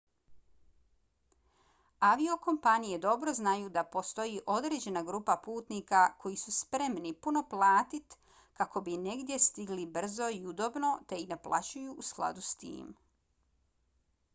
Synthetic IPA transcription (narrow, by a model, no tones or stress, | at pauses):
aʋio̞ko̞mpanije̞d̪o̞bɾo̞znajuːd̪apo̞st̪o̞jiʔo̞d̪ɾe̞ːd͡ʑe̞naɡɾuːpapuːt̪nikakʰo̞jisuspɾe̞mnipuno̞plˠaːt̪it̪ | kako̞bine̞ɡd̪je̞st̪iɡlibr̩zo̞iud̪o̞bno̞t̪e̞id̪aplˠa̰t͡ɕujuusklˠa̰d̪ust̪ḭːm